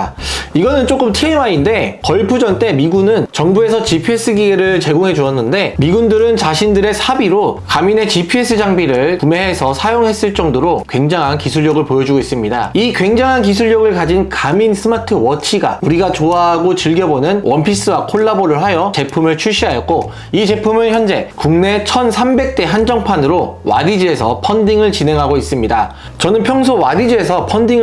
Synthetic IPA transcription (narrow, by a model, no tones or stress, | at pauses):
iɡʌnɯnt͡ɕ͈ok͈ɯmtʰiemainde̞kʌɭpʰud͡ʑʌnt͈e̞miɡunɯnt͡ɕʌŋbue̞sʰʌt͡ɕipʰies͈ʰɯɡiɡeɾɯɭt͡ɕe̞ɡoŋɦe̞d͡ʑuʌnːɯnde̞miɡundɯɾɯnt͡ɕaɕʰindɯɾe̞sʰabiɾokamine̞t͡ɕipʰie̞s͈ɯd͡ʑaŋbiɾɯɭkume̞ɦesʰʌsʰajoŋɦe̞s͈ɯɭt͡ɕ͈ʌŋdoɾokwe̞ŋd͡ʑaŋɦankisʰuɭjʌɡɯɭpojʌd͡ʑuɡois͈ɯmɲida̰ikwe̞ŋd͡ʑaŋɦank̬is̬ʰuɭːʌɡɯɭkad͡ʑinkaminsʰɯmatʰɯwʌt͡ɕʰiɡa̰uɾiɡat͡ɕoaɦaɡot͡ɕɯɭɡjʌbonɯnwʔʌmpʰis͈ɯwakʰoɭːaboɾɯɭhajʌt͡ɕe̞pʰumɯɭt͡ɕʰuɕ͈iɦajʌt̚k͈o | it͡ɕe̞pʰumɯnçjʌnd͡ʑe̞kuŋne̞t͡ɕʰʌnsʰambe̞k̚t͈e̞ɦand͡ʑʌŋpʰanɯɾowa̰did͡ʑie̞sʰʌpʰʌndiŋɯɭt͡ɕine̞ŋɦaɡois͈ɯmɲida | t͡ɕʌnɯnpʰjʌŋsʰowadid͡ʑie̞sʰʌpʰʌndiŋ